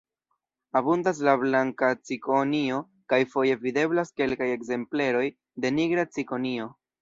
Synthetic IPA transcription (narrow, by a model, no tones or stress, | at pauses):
abundas̬lablaŋkat͡sikonio̞ | kajfo̞je̞vide̞blaske̞lkaje̞kze̞mple̞ɾo̞j | de̞niɡɾat͡siko̞nio̞